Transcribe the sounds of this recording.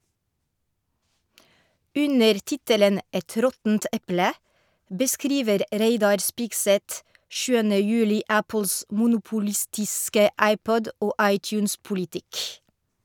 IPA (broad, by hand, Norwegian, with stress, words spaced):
ˈʉnəɾ ˈtɪtələn ˈɛt ˈɾɔtn̩t ˈʔɛplə bəˈskɾiːʋəɾ ˈɾeɪdɑɾ ˈspɪɡsɛt ˈʃʉːənə ˈjʉːlɪ ˈæpl̩s mʊnʊpʊˈlɪstɪskə ˈʔæɪˌpɔd ˈoː ˈɑɪˌtjʉːns pʊlɪˈtɪk